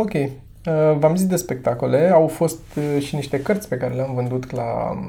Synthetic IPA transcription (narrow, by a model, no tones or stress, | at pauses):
o̞kʲe̞j | əvamzisd̪espe̞k̚t̪akole̞awfo̞st̪ʃiniʃt̪e̞kərt̪sʲpe̞kaɾe̞leamvɨnd̪ut̪la̰